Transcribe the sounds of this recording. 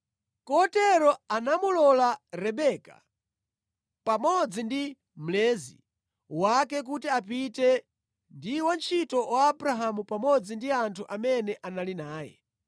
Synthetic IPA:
kɔtɛɾɔanamulɔlaɾɛɓɛka̰ | pamɔd͡zindi | m̩lɛːzḭ | wakɛk̬utiapitɛ | ndiwant͡ʃʰitɔwaːbɾaɦamupamɔd͡zindiantʰuʔamɛnɛʔanalinaːjɛ̰

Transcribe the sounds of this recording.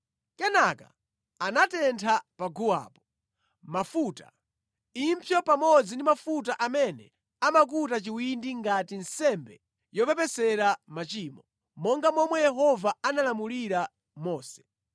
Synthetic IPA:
kɛnaka̰ | anatɛntʰapaɡuwa̰ːpɔ | mafuta̰ | impʰjɔpamɔd͡zindimafut̬aʔamɛnɛ | amak̬utat͡ʃiwindiŋɡatin̩sɛmbɛ | jɔpɛpɛsɛɾamat͡ʃiːmɔ | mɔŋɡamɔmwɛjɛɦɔvaanalamuliɾa | mɔːsɛ̥

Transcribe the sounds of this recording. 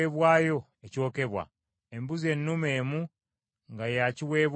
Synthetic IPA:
eβwaːjo̞ | eco̞ːke̞βwa̰ | e̞mbuze̞nːume̞ːmu | ŋɡajaciwe̞ːβ

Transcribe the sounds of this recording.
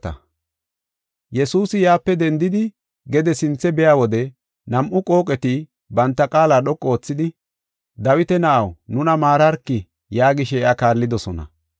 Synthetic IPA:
ɐ̰ | jɛsuːsɪjaːpːɛd̪ɛnd̪ɪd̪ɪ | ɡɛd̪ɛsɪnt͡sːɛbɛjaːwɔd̪ɛ | nɐmʔʊkʼo̞ːkʼɛt̪ɪ | bɐnt̪ːɐkʼaːlaːɗɔkʼːoːt͡sːɪd̪ɪ | d̪ɐwɪt̪ɛnɐʔɐwnʊnɐmaːɾɐɾkːɪ | jaːɡɪʃɛɛʔakaːɾlːɪd̪ɔsɔnɐ̰

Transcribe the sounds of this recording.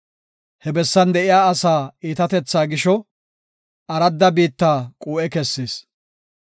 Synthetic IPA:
hɛbɛsːɐnd̪ɛʔɪjaːɐsaːiːt̪ɐt̪ɛt͡sːaːɡɪʃɔ | ʔɐɾɐd̪ːɐbiːt̪ːaːkʼuːʔɛkɛsːeːs

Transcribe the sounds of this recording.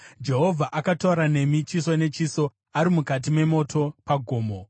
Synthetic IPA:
d͡ʒe̞ɦo̞vʱaʔakatoɾane̞mit͡ʃisone̞t͡ʃiso̞ | aɾimukat̬ime̞mo̞tʰo̞paɡʱo̞ːmo̞

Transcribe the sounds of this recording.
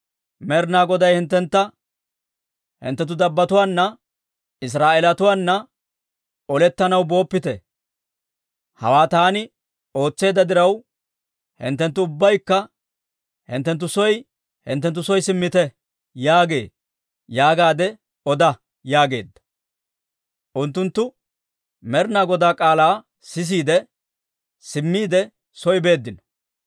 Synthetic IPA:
mɛɾnaːɡɔd̪ɐjhɪnt̪ːɛnt̪ːɐ | hɪ̰nt̪ːɛt̪̬ːʊd̪ɐbːɐt̪ʊwaːnːɐ | ɪs̬ɾaːʔeːlɐt̪ʊwaːnːɐ | ɔlɛt̪ːɐnɐwbo̞ːpːɪt̪ɛ | hɐ̰waːt̪aːnɪ | o̞ːt͡sːe̞ːd̪ːɐd̪ɪɾɐw | hɪ̰nt̪ːɛnt̪ːʊʊbːɐjkːɐ | hɪ̰nt̪ːɛnt̪ːʊsɔj | hɪ̰nt̪ːɛnt̪ːʊsɔjsɪmːɪt̪ɛ | jaːɡe̞̰ː | jaːɡaːd̪ɛ | ɔd̪ɐ | jaːɡe̞̰ːd̪ːɐ̥ | ʔʊnt̪ːʊnt̪ːʊ | mɛɾnaɡɔd̪aːkʼaːlaː | sɪs̬iːd̪ɛ | sɪmːiːd̪ɛ | sɔjɪbe̞ːd̪ːɪn

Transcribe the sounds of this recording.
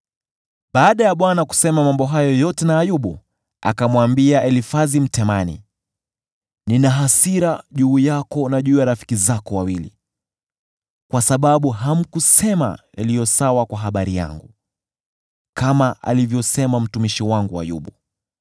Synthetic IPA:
ɓaːɗajaɓwanaku̥sɛmamambɔɦajɔjɔtɛnaːjuɓu | a̰kamwambiaʔɛlifazim̩tɛmanḭ | ninaɦasiɾaʄuːjakɔnaʄuːjaɾafi̥kizakɔwawilḭ | kwasaɓaɓuɦam̩kusɛma̰ | a̰lijɔsawakwaɦaɓaɾija̰ŋɡu | kamaʔa̰livjɔsɛmam̩tumiʃiwaŋɡua̰jṵɓu

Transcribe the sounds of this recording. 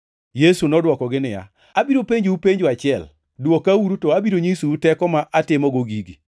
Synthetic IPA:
jesunɔdwɔkɔɡɪnɪja̰ | abiɾopeɲd͡ʒupeɲd͡ʒat͡ʃɪɛl | dwokawuɾutɔabiɾoɲisuutɛkɔmaʔatɪmɔɡoɡiɡi

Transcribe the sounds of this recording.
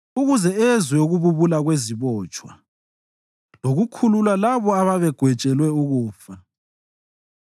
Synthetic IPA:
uɣuzɛɛzwɛoɣuβuβulaɣweziβɔːt͡ʃʼwa̰ | loɣukʰululwalaβɔaβaβɛɡ̥ʱwɛt͡ʃʼɛlwɛuɣuːfa

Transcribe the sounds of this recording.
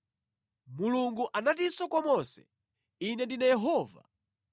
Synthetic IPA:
muluŋɡuʔanatisɔkwɔmɔsɛ̥̰ | inɛndinajɛɦɔːva̰

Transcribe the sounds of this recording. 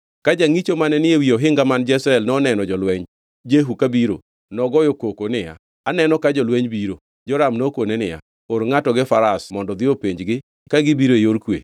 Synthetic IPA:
kad͡ʒaŋit͡ʃomanɛnɪewioɦɪŋɡamand͡ʒɛsɾɛlnɔnɛnɔd͡ʒɔlwɛɲ | d͡ʒeɦukabiɾo̰ | nɔɡɔjokokonɪja̰ː | nɛnɔkad͡ʒɔlweɲbiɾo | d͡ʒɔɾamnokonenɪja̰ | oɾŋatɔɡɪfaɾasmɔndɔd̪ɪopeɲd͡ʒɡɪ | kaɡɪbiɾoejoɾkwḛ

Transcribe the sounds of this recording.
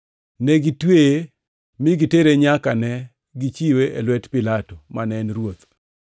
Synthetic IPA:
neɡitwe | mɪɡiteɾeɲakanɛ | ɡit͡ʃiweelwɛtpɪlatomanɛnɾwot̪

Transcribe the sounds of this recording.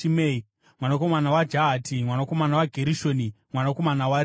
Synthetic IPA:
imei | mwanako̞manawad͡ʒaɦatʰimwanako̞manawaɡʱeɾiʃoːnimwanako̞manawaɾ

